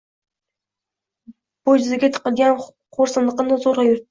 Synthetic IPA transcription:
b̥ojd͡ʒyzɪɡʲɛt̪ʰə̥qəlɡʲɛn | qʰoɾsɨnlˠəqənɨzoɾʁɑjuɾ̚

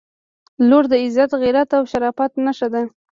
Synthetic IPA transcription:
loɾd̪əɪzat̪ɣiɾat̪awʃaɾɑfat̪naʃad̪a

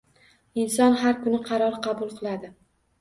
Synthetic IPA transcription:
ɪnsɒnɦaɾkʊnɪqʰɑɾɒɾqʰɑbʊlˠqʰɨlˠad̪ɪ

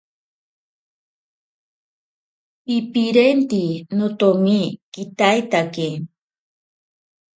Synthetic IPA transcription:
ipiɾent̪inot̪omikit̪ajt̪ake

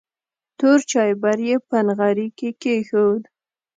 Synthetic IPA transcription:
t̪oɾt͡ʃɑjbaɾjepənɣaɾikekexowd̪

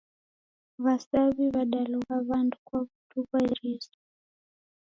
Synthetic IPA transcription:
βasaβiβaɗaluɣaβandukwaβutuβaiɾisɔ̥

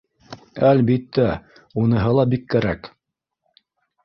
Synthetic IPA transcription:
ælbit̪ːæ | unɤ̆ɦɤlˠɑbikːæɾæk

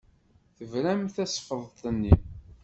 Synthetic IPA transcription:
θəvɾæmθæsfðˤt̪ˤənːi

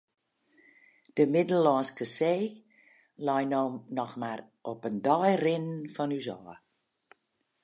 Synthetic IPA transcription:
d̥əmɪdəlːɔːnskəseː | lɔjnoːmnɔxmar | ʔɔpəndɔjrɪnnfɔnyzɔː

